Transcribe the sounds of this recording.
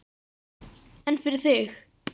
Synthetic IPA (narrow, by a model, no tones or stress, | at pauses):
ɛnfɪɾɪɾ̥θɪx